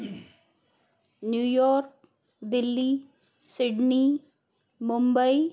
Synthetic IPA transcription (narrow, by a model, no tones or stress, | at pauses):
njuːjɔːɾk̚ | d̪ɪlːi | sɪɖni | mʊ̃mbəi